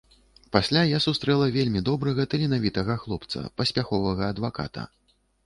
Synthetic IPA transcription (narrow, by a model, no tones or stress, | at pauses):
pasʲlʲajasust̪ɾɛlˠɐvʲelʲmʲid̪ɔbɾɐɣɐt̪ɨlʲinavʲit̪ɐɣɐxlˠɔpt̪sɐ̰pɐsʲpʲaxɔvɐɣɐːd̪vaka̰t̪ɐ̰